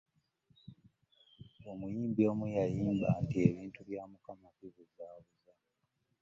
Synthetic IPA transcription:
o̞mujiːmbio̞ːmujajiːmba̰ːntie̞βiːntuβjaːmukamakiβuzaːβuza

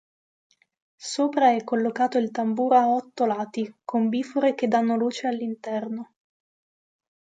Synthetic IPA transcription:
soːpɾaɛkːolːokaːt̪oilt̪ambuːɾaɔt̪ːolaːt̪ikombiːfuɾek̟ed̪ːanːoluːt͡ʃealːint̪ɛrno

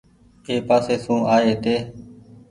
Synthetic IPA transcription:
eːpaːseːsũːʔaːeːt̪eː

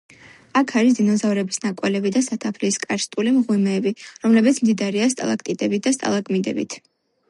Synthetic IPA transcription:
akʰaɾis̬d̪inɔzavɾɛbisnakʼwɛlɛbid̪asat̪ʰapʰliskʼaɾst̪ʼulimʁwɛmɛːbiɾɔmlɛbit̪sʰmd̪id̪aɾiast̪ʼa̰lˠak̚ʰt̪ʼid̪ʼɛbit̪̚d̪ast̪ʼa̰lˠakʼmid̪ɛ̰bḭt̪ʰ

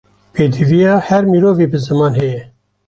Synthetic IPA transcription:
peːd̪ivijɑːhɛɾmiːɾoːviːbɨzɨmɑːnhɛjɛ

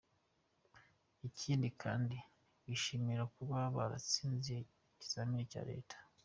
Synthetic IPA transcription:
icʰiːndikʰa̰ːndi | βiʃimiɾakuβaβa̰ɾa̰t͡siːnzie | ci̥samiɾeca̰ːɾe̞̰ːtʰḁ

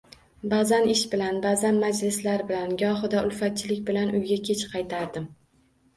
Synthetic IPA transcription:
bazanɪʃbɪlanbazanmad͡ʒlɪslaɾbɪlanɡʲɒɦɨd̪aʊlfat̪̚t͡ʃʰɪlɪkʲbɪlanʔʊjɡʲakʲʰe̞t͡ʃqʰɑjt̪ʰaɾd̪ɪm

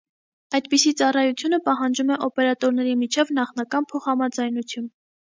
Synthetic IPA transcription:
ɑjd̪̚pisit͡sɑrɑjut͡sʰjunəpɑɦɑnd͡ʒumɛʔɔpɛɾɑt̪ɔɾnɛɾimit͡ʃʰɛvnɑχnɑkɑnpʰɔχhɑmɑd͡zɑjnut͡sʰjun

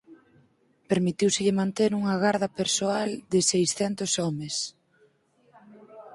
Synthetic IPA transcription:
peɾmit̪iwsɪʎɪmãnt̪eɾuŋɐɣaɾðɐpeɾsoald̪ɪsejsθɛnt̪osɔmes

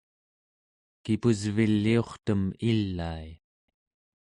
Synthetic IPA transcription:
kipuzvilːio̞χt̪əmilːai

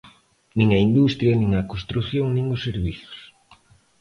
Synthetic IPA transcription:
nĩŋɐind̪ust̪ɾjɐnĩŋɐkonst̪ɾuθjoŋnĩŋʊsːeɾβiθʊ̥s

